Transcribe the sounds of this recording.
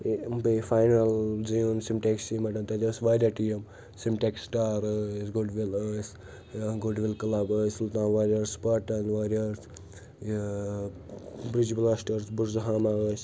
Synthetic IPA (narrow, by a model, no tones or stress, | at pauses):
bifaːjnɐlziunsimʈeksimɐʈɐnt̪ɐd͡ʒ̪ʲɐsʋaːɾʲaʈijem | simʈeksʈaːɾəsɡuɖʋiləs | ɡuɖʋilkɐlabəsult̪ãːnʋaːɾʲɐɾspaːʈɐnʋaːɾjɐɾs | bɾid͡ʒblasʈɐɾsbuɾzɦaːmaɡəs